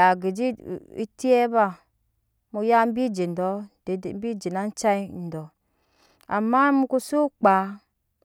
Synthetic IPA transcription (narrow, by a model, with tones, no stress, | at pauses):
a˨ɡi˨d͡ʒi˦ḭ˦ti˦e˦ba˦˨ | mu˨ja˦m̩˦bi˦d͡ʒe˨n̩˨dɔ˦dm̩˦bi˦d͡ʒi˨na˦n̩˦t͡ʃa˦i˦˨n̩˨dɔ˨ | a̰˨mːa˦mu˦ku˦su˦k͡pa˨˦